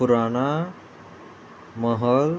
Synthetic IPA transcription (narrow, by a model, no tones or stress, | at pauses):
uɾaɳa | məɦəl